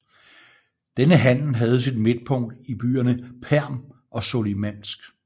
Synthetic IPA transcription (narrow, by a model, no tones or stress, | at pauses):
d̥enəɦæn̰l̩ɦæð̞̩ˠsid̥me̝d̥̚pʰɔ̽ŋ̰d̥ib̥y̰ːɐnəpʰæɐ̰m | ʔɒ̽so̝limæn̰sɡ̥